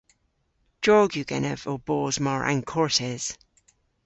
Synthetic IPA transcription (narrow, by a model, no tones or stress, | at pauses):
d̥ɔːɡjʉɡɛ̰nəvobɔːzmaɹʔã̰nkʰɔɹtɛz̥